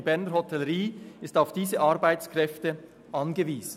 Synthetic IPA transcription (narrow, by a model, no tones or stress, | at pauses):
bɛɾnəɾhɔtʰɛləɾiːɪstaʊfd̥iːzəʔɑɾbaɪt͡skʁɛftə | ʔɑnɡəviːz̥